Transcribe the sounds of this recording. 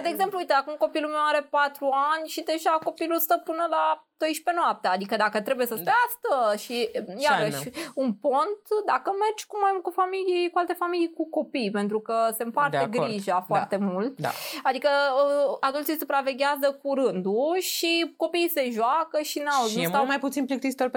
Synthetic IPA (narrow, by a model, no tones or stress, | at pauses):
d̪eːɡze̞mpluujt̪eakumko̞pilumewaɾe̞pat̪ɾuanʲʃid̪e̞ʒako̞pilust̪əpɨnəlat̪ojʃpe̞noap̚t̪ead̪ikəd̪akət̪ɾe̞buje̞səsp̪east̪əʃijaɾəʃʃunpo̞nt̪d̪akəme̞rd͡ʒkumajmult̪kufamilikualt̪e̞familijkuko̞pijpe̞nt̪ɾukəse̞ɨmpartd̪eɡɾiʒafoart̪emult̪a̰ad̪ikə | ad̪ultt͡ʃijsupɾave̞ɡʲazəkuɾɨnd̪uʃiko̞piːse̞ʒoakəʃinauznut̪awmajput̪sinplik̚t̪isit̪oɾ